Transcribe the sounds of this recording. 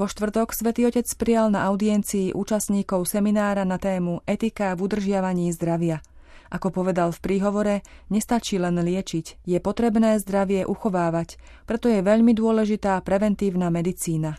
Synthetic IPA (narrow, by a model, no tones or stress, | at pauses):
ʋɔʃt̪ʋr̩t̪ɔksʋɛt̪iːɔcɛt͡sspɾɪalnaʔaʊd̪iɛnt͡siːʔuːt͡ʃasɲiːkɔʊsɛminaːɾanat̪ɛːmuʔɛt̪ikavud̪r̩ʒɪaʋaɲiːzd̪ɾaʋɪa | ʔakɔpɔʋɛd̪alfpɾiːɦɔʋɔɾɛɲɛst̪at͡ʃiːlɛnlɪɛt͡ʃicjɛpɔt̪ɾɛbnɛːzd̪ɾaʋɪɛʔuxɔʋaːʋac | pɾɛt̪ɔjɛʋɛʎmid̪ʊɔlɛʒit̪aːpɾɛʋɛnt̪iːʊnamɛd̪it͡siːna